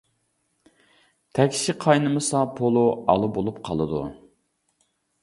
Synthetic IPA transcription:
t̪ʰɛkʲʃiqʰɑjnɨmɨsɑpʰolˠuɑ̰lˠubolˠupqʰɑlˠɨd̪ṵ

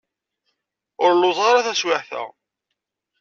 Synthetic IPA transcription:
ʊɾlːoðˤʁɑɾaθæswɪħθæ̰

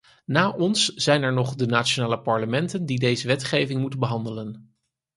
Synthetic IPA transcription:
naːʔɔnsz̥ɛjnɛɹnɔχdənaːtt͡ʃonaːləpɑɹləmɛntəndidejzəʋɛtχejvɪŋmutənbəɦɑndələn

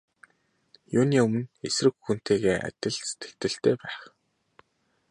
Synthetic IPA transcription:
jʊːniːɵmɘ̆nesrɘ̆kxun̥t̪eːɣeːʔa̰t̪ʲɪ̆ɮse̥t̪ɘ̥̆kt̪ɘ̆ɬt̪ʰeːpæːχ

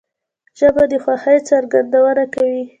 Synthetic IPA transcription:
ʒəbad̪əxwaxəjt͡saɾɡand̪awənakawi

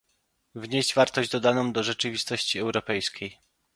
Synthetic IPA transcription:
vɲeʑd͡ʑvaɾt̪ɔʑd͡ʑd̪ɔd̪anɔ̃w̃d̪ɔʐɛt͡ʂɘvʲist̪ɔɕt͡ɕiɛwɾɔpɛjskʲej

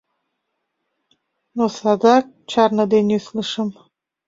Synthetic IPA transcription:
nosɑd̪ɑk̚t͡ɕɑrnɤd̪enysləʃə̆m

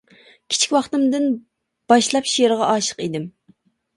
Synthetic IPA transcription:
kʲʰi̥t͡ʃʰi̥kʲwɑχt̪ɨmd̪ɨn | b̥ɑʃlˠɑpʃijeɾʁɑʔɑːʃə̥qid̪ɪm

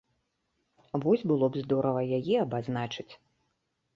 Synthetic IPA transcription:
vɔzʲbɨlˠɔbzd̪ɔɾɐvɐjajɛɐbaznat͡ʂɨt͡sʲ

